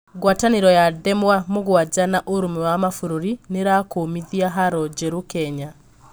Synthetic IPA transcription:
ɣwataneɾɔjaðɛmwamoɣwad͡ʒanaʔoɾomɛwamafoɾoɾineɾakoːmiðiaɦaɾɔd͡ʒɛɾokɛɲa

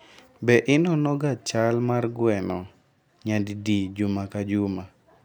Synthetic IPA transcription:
bɛʔɪnɔnɔɡat͡ʃalmarɡwɛnɔ | ɲaddid͡ʒumakad͡ʒʊma

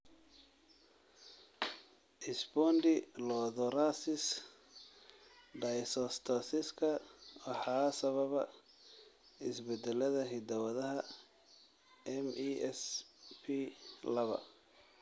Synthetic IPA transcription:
ʔɪsbɔnd̪ɪlɔðɔɾasɪs | ɖɐjsɔst̪ʰɐsɪskʰɐwɑħɑːsɐβɐβɐ | ɪsbɛd̪ɛlɐðɐɦɪd̪ɐwɐðɐɦɐ | ɛmiɛspʰilɐβɐ̰

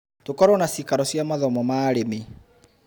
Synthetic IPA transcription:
tokɔɾwɔnasikaɾɔsjamaðɔmɔmaːɾeme

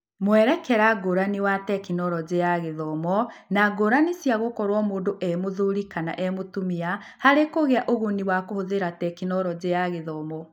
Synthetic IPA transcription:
mwɛɾɛkɛɾaɡoɾaniwatɛkinɔɾɔd͡ʑejaɣeðɔmɔnaɡoɾanisjaɣokɔɾwɔmoːndoʔɛmoðoɾikana̰ʔɛmotumia | haɾekoɣeaʔoɣoniwakohoðeɾatɛkinɔɾɔd͡ʑeaɣeðɔmɔ

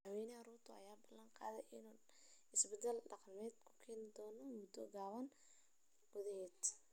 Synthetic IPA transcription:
wɛːnɛaɾuːrt̪ʰʊɐ̰jaːbɐlːɐɴqɑ̰ːðɛjʔɪnuːn | ɪsbɛd̪ɛlɖɑqɑlmɛːd̪kʰʊ̥kʰɛːnɪd̪ɔːnɔmɔd̪ɔɡaːβɐn | ɡ̥ʊðɐhɛːd̪

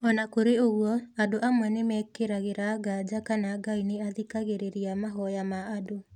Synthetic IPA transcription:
ɔnakoɾeoɣwɔadoʔamwɛnemɛkeɾaɣeɾaɡad͡ʑakanaɡaineaðikaɣeɾeɾiamaɦɔjamaːdo

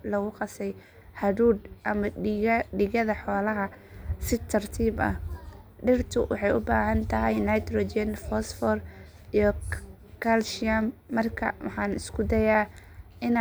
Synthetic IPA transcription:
lɔɣʊqɑsɛj | hɐduːd̪ʔɐmɐɖɪɣɐðɐħɔːlɐɦɐ | sɪt̪ʰɐrt̪ʰiːbɐ̰hɖɪrt̪ʰʊwʔɑ̰ħɑjʊbaːɦɐnt̪ʰɐɦɛjnajt̪rɔːt͡ʃɛnfɔsfɔːr | ijɔ | kʰalʃamːɐrkʰɐ̰wɑħɑːnɪskʰʊd̪ɐjaː | ɪn

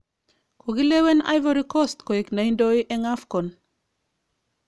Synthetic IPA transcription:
koɡilewena̰jvaɾikɔstkoeknaindoiʔeŋafkɔn

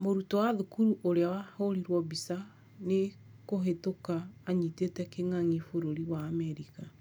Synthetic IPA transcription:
moɾutɔwaðokuɾuʔoɾeawahoɾiɾwɔbisa | ne | koɦetokaːɲitetɛkeŋaŋifoɾoɾiwaːmɛɾika

